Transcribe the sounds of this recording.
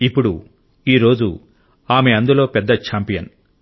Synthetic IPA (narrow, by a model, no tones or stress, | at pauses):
ipːuɽu | iːɾo̞ːd͡ʒu | aːme̞ɐnd̪ulo̞ːpɛd̪ːɐt͡ʃaːmpijɐn